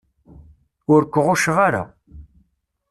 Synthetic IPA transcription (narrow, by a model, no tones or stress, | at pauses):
ʊɾkʷːʁʊʃʁaɾa̰